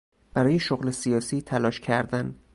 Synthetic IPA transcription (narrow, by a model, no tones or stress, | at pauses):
b̥æɾɒːjeʃoɣlesijɒːsiːt̪ʰælɒːʃcʰæɾd̪æn